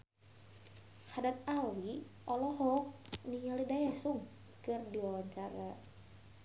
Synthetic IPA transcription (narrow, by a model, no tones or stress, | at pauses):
hadat̪̚awi | ʔɔlɔɦɔkniɲalidajasuŋ | kɨrdiwawaɲt͡ʃaɾa